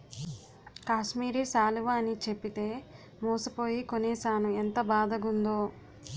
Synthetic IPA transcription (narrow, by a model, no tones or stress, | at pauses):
kaːʃmiːɾisaːluʋaːnit͡ʃe̞pːit̪e̞ː | muːsɐpo̞ːjikoniːsaːnuent̪ɐbaːd̪ɐɡund̪oː